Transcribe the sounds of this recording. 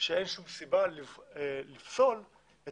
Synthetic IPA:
ʃeejnʃumsibalielifso̞l | e

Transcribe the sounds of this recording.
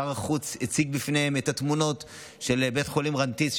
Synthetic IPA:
aʁaχut͡shit͡siɡbifnehemetatmuno̞t | ʃe̞lbetχolimʁantis

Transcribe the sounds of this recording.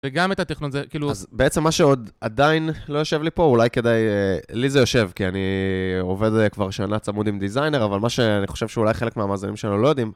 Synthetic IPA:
veɡamet̪atiχnunzekiːluazbeet͡semːaʃe̞o̞d̪ad̪ainlo̞jo̞ʃe̞vlipo̞ulajke̞d̪ajlizejo̞ʃe̞vkianio̞ve̞dkvaʁʃanat͡samud̪imd̪izajne̞ʁavalmaʃe̞aniχo̞ʃe̞vʃeulajχelekmeamaːzanimʃeananulo̞jo̞d̪im

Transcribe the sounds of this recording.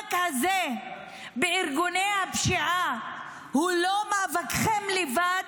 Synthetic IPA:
khaze | beiʁɡunejhapʃiʕa | hulomavakχemlevad̪

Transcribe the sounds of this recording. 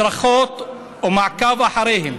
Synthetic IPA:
ɾˤɑxoːt̪ˤ | wmaʕkaːvaħɑɾˤiːhɪm

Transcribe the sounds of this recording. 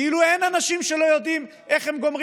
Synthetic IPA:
ilue̞nanaʃimʃe̞lo̞jo̞d̪im | ʔe̞χhemɡo̞mʁ

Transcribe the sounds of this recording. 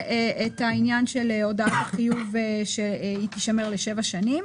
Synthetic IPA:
eʔet̪ainjanʃeleodaataχijuveʃeit̪iʃameʁleʃevaʃanim

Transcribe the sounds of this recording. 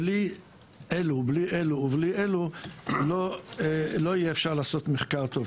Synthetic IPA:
li | ʔelubliʔe̞luːbliʔeluloelo̞ijeːfʃaʁlaːso̞t̪meχkaʁt̪o̞v

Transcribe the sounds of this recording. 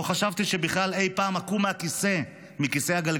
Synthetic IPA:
oχaʃavt̪iʃe̞biχlale̞jpaːmakumeakise̞ | mikise̞jhaɡalɡ

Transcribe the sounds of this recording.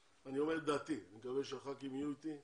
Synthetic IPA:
anio̞meʁd̪at̪imikaveʃaχakimijut̪i

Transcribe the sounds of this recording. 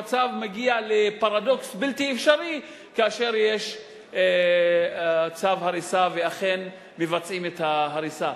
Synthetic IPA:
at͡savmeɡialepaʁado̞ksbiltiefʃaʁi | kaaʃe̞ʁjeʃ | t͡savhaʁisaveaχe̞n | mevat͡sʔimethaɦaʁisa

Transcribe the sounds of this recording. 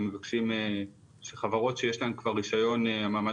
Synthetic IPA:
mevakʃime | ʃeχavaʁo̞tʃejeʃlaemkvaʁːiʃajo̞neamaːma

